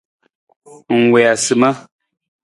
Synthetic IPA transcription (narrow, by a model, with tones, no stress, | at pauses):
ŋ̩˨wɛ˨a˨sɨ˨mə˦